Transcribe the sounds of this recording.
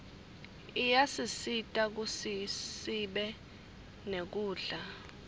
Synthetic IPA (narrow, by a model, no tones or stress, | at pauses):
ijasisitʼak̬usisiɓɛ | nek̬uːɮa